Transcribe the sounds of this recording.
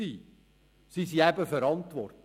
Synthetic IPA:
iː | sisiæbəfəɾɑntʋɔrt

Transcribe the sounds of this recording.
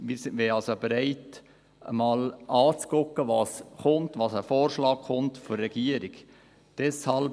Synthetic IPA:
mɪɾsɪʋɛɑlsobeɾaɪt | ə̰mɑːlʔɑːt͡skʊkːəʋɑːsχʊntvɑːsəfoːrʃlɑːkχʊntfɔrːɛɡ̥iːəɾɪɡ | d̥ɛshɑl

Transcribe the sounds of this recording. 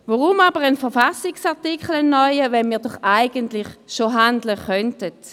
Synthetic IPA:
vɔʁumabəʁənfəʁfasɪksaʁtikχəl̩ɛnːɔʏəvɛnmiːɐdɔχaɪɡəntlɪχʃoɦandləχœntət

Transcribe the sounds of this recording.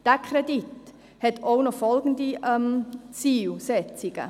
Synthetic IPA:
d̥ækʰɾɛdit | hɛtʰoʊnɔfɔlɡəndiɛmt͡siːlsɛt͡siɡ̥ə̰

